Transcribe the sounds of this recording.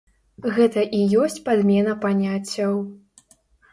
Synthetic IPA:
ɣɛt̪ɐʔijɔsʲt͡sʲpad̪mʲɛnɐpanʲat͡sʲːɐw

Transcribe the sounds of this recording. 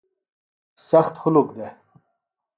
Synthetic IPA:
sɐxt̪hʊlukd̪e

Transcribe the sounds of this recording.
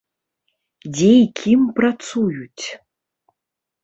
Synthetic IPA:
dʲejikʲʰimprasujutʲ

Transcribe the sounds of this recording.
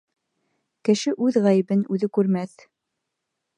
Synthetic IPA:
kɘ̆ʃɘʔʉðʁæjɘ̆bɘnʉðɘkʉɾmæθ

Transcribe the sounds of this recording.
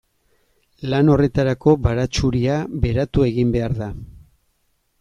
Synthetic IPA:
lano̞re̞t̪aɾako̞βaɾat͡ʃuɾiaβe̞ɾat̪ue̞ɣimbe̞aɾða

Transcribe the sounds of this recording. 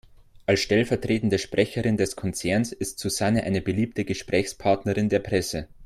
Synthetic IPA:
ʔalsʃtɛlfɛɐtʁ̥eːtn̩dəʃpʁ̥ɛçəʁɪndɛskʰɔnt͡sɛɐnsɪstz̥uzanəʔa̰ɪnəbəliːp̚təɡəʃpʁ̥ɛːçspʰaɐtnəʁɪndeːɐpʁ̥ɛsə

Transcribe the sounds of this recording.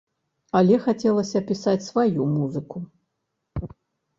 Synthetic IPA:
ɐlʲɛxat͡sʲɛlˠɐsʲɐːpʲisat͡sʲsvajumuzɨku

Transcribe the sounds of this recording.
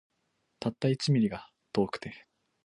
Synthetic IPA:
t̪at̪ːait͡sɨmʲiɾʲiɡa | t̪o̞ːkɯ̟̥t̪e̞

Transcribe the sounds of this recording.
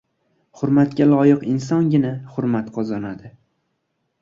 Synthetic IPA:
hʊɾmat̪̚kʲalˠɒjɪqɪnsɒŋɡʲɪnaχʊɾmat̪qʰɒzɒnad̪ɪ

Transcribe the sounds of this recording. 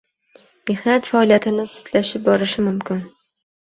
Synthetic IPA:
mehnat̪faɒlijat̪ʰɪnɪsɪ̥t̪laʃɪp̚bɒɾɪʃɪmʊmkʲʰɪn

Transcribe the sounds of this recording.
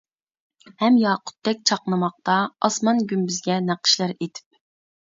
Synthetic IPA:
hɛmjɑːqʰʊ̥t̪ːɛk̚ʲt͡ʃʰɑqnˠɨmɑq̚t̪ɑɑsmɑnɡʲymbyzɡʲɛnæqʰə̥ʃlˠɑɾet̪ʰɪ̥p̚

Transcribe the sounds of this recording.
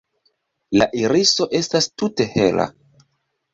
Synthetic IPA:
la̰ʔiɾiso̞ʔe̞stastute̞he̞la̰

